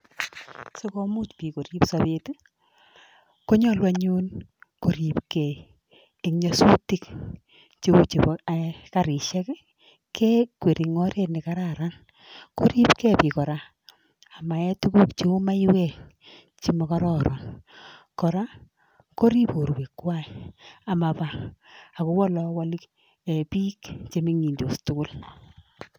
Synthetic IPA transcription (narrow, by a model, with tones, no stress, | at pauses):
so˦ko˦mu˦tpi˨ko˨ɾi˦psa˨bet | ko˦ɲɔ˦lwa˦ɲu˦nko˨ɾi˨pke˨ | ekɲɔ˨su˦ti˦k | t͡ʃi˦u˦t͡ʃi˨pka˨ɾi˨ʃɛ˦k | kʰe˦kwe˨ɾi˨ŋɔ˦ɾe˦tnɪ˨ka˦ɾaɾa˦n | ko̰˦ɾi˦pkɛ˦pi˨kɔ˨ɾa˦ | a˨ma˨ɛ˦tu˦ku˦kt͡ʃi˦ma˦i˦wɛ˨k | t͡ʃi˦mɔ˨ka˦ɾɔ˦ɾa˨n | kɔ˨ɾa˦ | ko˦ɾi˦po˨ɾwe˨kːwa˦ia˨ma˨pa˨a˨ko˦wɔ˦lɔ˦wa˦l | e˨piː˦kt͡ʃe˦mi˦ŋi˨ndo˨stʊ˦kʊ˦l